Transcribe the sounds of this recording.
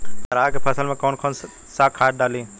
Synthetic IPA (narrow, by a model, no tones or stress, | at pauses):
pɐɾaːkepʰɐsəlmẽkoːnkʰoːn | saːkʰaːʈ̚ɖaːlĩː